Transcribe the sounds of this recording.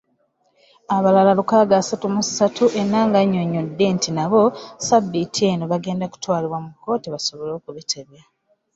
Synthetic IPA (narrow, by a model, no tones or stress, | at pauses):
aβalalalukaːɡasatumusatʰuʔenaːŋɡaɲoɲodːe̞ntinaβo̞sabːitʰienoβaɡe̞ːndaku̥twaːliβwamukːo̞ːtiβasoβo̞lo̞ːkuβitʰe̞βja